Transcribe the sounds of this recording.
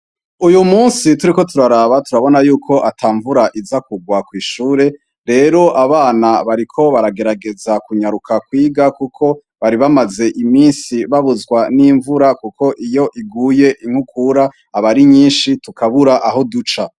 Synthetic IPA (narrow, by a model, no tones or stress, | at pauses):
ujumuːnsituɾiko̞tuɾaɾaβatuɾaβo̞najuːkʰo̞ʔatʰaːɱvuɾaʔizakuɡwakwiːʃuːɾe̞ | ɾe̞ɾo̞ʔaβaːnaβaɾikʰo̞βaɾaɡe̞ɾaɡe̞zakuɲaɾukʰakwiːɡakukʰo̞ | βaɾiβamaze̞ʔimiːnsiβaβuzɡwaniɱvuɾakukʰo̞ʔijo̞ʔiɡuːje̞ʔiŋ̥hukuːɾaː | βaɾiɲiːnʃitukʰaβuɾaʔaɦo̞dut͡ʃa